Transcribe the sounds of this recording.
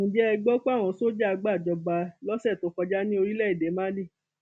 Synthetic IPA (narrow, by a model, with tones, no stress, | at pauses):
ũ˨d͡ʒɛ˦ɛ˧ɡ͡bɔ˦k͡pa˦˨w̃ɔ̃˨˧so˦d͡ʒa˦a˧ɡ͡ba˦˨d͡ʒɔ˧ba˧lɔ˦sɛ˦˨to˨˦kɔ˧d͡ʒa˦nĩ˦o˧ɾi˦lɛ˦i˦˨de˨˦mã˦li˦˨